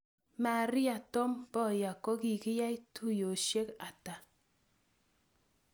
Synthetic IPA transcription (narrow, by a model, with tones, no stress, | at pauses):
ma˨ɾi˦a˨tɔ˦mbɔ˦˨ja˨kɔ˦ki˨ki˦ja˦i˦tu˦jo˨ʃe˦ka˨ta˨